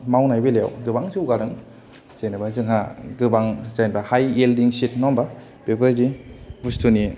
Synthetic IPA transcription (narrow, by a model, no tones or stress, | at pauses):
mawnajbeleja̰wdɯbaŋsiuɡaɾɯŋ | zejnabazɯŋɦaɡɯbaŋzajnbahajeldiŋsit̚nɔmba | b̥epɯɾzibustʰuni